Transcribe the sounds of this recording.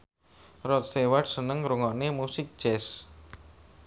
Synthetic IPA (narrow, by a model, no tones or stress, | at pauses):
rɔt̪̚st̪ewaɖsənəŋɾuŋɔnemusɪk̚ʒ̥ɛs